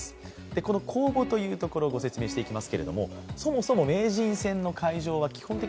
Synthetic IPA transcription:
sɨ̥ | d̪̥e̞ko̞no̞kʰo̞ːbo̞t̪o̞jɯ̟ːt̪o̞ko̞ɾo̞ːɡo̞se̞t͡sɨme̞ːɕi̥t̪e̞ikʲimasɨ̥ke̞ɾe̞d̪o̞̰mo̞̰so̞mo̞so̞mo̞me̞ːʑĩɰ̃sẽ̞nːo̞kaiʑo̞ːβ̞akʲi̥hõ̞nt̪e

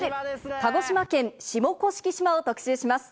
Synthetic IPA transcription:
kaɡo̞ɕimakẽ̞ɰ̃ɕimo̞ko̞ɕi̥kʲiɕimaot̪o̞kɯ̟̥seːɕimasɨ̥

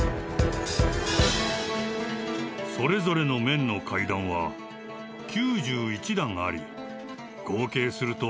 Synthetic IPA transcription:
so̞ɾe̞zo̞ɾe̞no̞mẽ̞nːo̞kʰaid̪ãɰ̃βa | kʲʰɨːʑɨːit͡ɕid̪ãŋɡaːɾʲḭ | ɡ̥o̞ːke̞ːsɨɾɯ̟t̪o̞

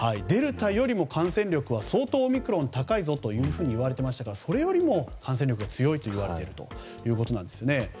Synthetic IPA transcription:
haid̪e̞ɾɯ̟t̪ajo̞ɾʲimo̞kʰãɰ̃sẽ̞nɾʲo̞kɯ̟β̞aso̞ːt̪o̞ːmʲikɯ̟ɾõ̞nt̪akaizo̞t̪o̞jɯ̟ːɸɯ̟ːɲ̟iːβaɾe̞t̪e̞maɕit̪akaɾaso̞ɾe̞jo̞ɾʲimo̞kʰãs̬ẽ̞nʲɾʲo̞kɯ̟ɡat͡sɨjo̞it̪o̞iβaɾe̞t̪eɾɯ̟t̪o̞̰ | jɯ̟ːko̞t̪o̞nãnd̪sɨjo̞ne̞

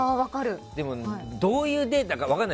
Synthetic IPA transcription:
aːβakaɾɯ̟d̪̥e̞mo̞id̪o̞ːjɯ̟ːd̪e̞ːt̪akaβakanːa

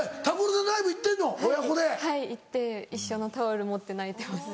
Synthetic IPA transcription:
et̪aboɾɯd̪od̪aibɯit̪ːẽ̞nːoojakod̪ehaiit̪ːe̞iɕːo̞not̪aoɾɯ̟mot̪ːe̞nait̪e̞masɨ̥

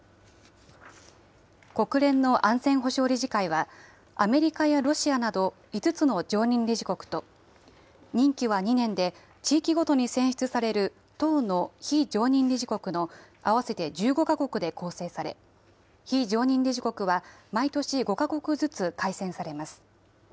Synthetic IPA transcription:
ko̞kɯ̟ɾẽ̞nːo̞ʔãñzẽ̞ɰ̃ɦo̞ɕo̞ːɾʲiʑikaiβ̞a | ame̞ɾʲikajaɾo̞ɕianad̪o̞ | it͡sɨt͡sɨno̞d͡ʑo̞ːɲ̟ĩnɾʲiʑiko̞kɯ̟̥t̪o̞ | ɲ̟ĩŋkʲiβaɲ̟inẽ̞nd̪e̞ | t͡ɕiːkʲiɡo̞t̪o̞ɲ̟isẽ̞ɰ̃ɕi̥t͡sɨsaɾe̞ɾɯ̟ | t̪o̞ːno̞çid͡ʑo̞ːɲ̟ĩnɾʲiʑiko̞kɯ̟no̞ | aβ̞ase̞t̪e̞d͡ʑɨːɡo̞kako̞kɯ̟d̪e̞ko̞ːse̞ːsaɾe̞̰ | çid͡ʑo̞ːɲ̟ĩnɾʲiʑikokɯ̟βamait̪o̞ɕiɡo̞kako̞kɯ̟zɨt͡sɨkaisẽ̞ɰ̃saɾe̞masɨ̥

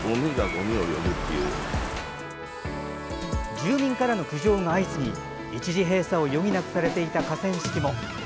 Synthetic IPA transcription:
omʲiɡaɡoɲʲiojo̞̰mɯ̟t̪ʰːḛjɯ̰ː | d͡ʑɨːmʲĩŋkaɾano̞kɯ̟ʑo̞ːŋaːit͡sɨɲ̟i | it͡ɕiʑiɦe̞ːsao̞jo̞mʲinakɯ̟̥saɾe̞t̪e̞it̪akasẽ̞ɰ̃ɕi̥kʲimo̞

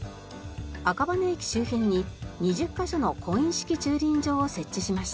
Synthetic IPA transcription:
akabaneekʲi̥ɕɨːçĩɲ̟ːiɲ̟iʑɨkːaɕo̞no̞kõ̞ĩɕi̥kʲit͡ɕɨːɾʲĩɲd͡ʑo̞ːse̞t͡ɕːiɕimaɕi̥t̪a

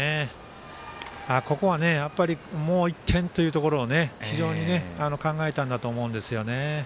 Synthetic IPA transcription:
e | aːko̞ko̞βane̞japːaɾʲimo̞ːikːẽ̞nt̪o̞jiɯ̟ːt̪o̞ko̞ɾo̞ːne̞çiʑo̞ːɲ̟ine̞ano̞kãŋɡae̞t̪ãnd̪at̪o̞ːmo̞ɯ̟̃nd̪e̞sɨjo̞ne̞

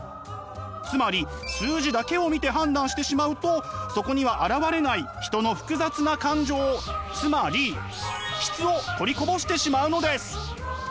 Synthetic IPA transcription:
t͡sɨmaɾʲi | sɨːʑid̪ake̞o̞mʲit̪e̞ɦãnd̪ãɰ̃ɕi̥t̪e̞ɕimaɯ̟t̪o̞so̞ko̞ɲ̟iβ̞aʔaɾaβaɾe̞naiçi̥t̪o̞no̞ɸɯ̟̥kɯ̟zat͡sɨnakãɲ̟d͡ʑo̞ːt͡sɨmaɾʲi | ɕi̥t͡sɨo̞t̪o̞ɾʲiko̞bo̞ɕi̥t̪e̞ɕimaɯ̟no̞d̪e̞sɨ̥

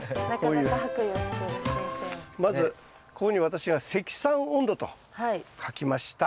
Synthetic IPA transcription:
nakoːjɯaɦakɯonasod̪esnmazɨ | ko̞koɲ̟iβat̪aɕiɡase̞kʲi̥sãɰ̃õ̞nd̪o̞t̪o̞̰ | haikʰakʲimaɕi̥t̪a

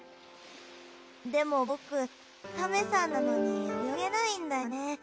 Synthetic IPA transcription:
d̪e̞mo̞okɯ̟ | t̪ame̞sanːanonejomʲiaɡe̞naĩnd̪ane̞

